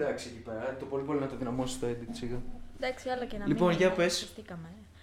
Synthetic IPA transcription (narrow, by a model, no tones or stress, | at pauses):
d̪ɐksicipe̞ɾɐt̪opo̞lip̬o̞linɐt̪oðinɐmosist̪oed̪it͡siɣɐd̪ɐksiɐlɐenlipo̞nʝɐpesft̪ikɐme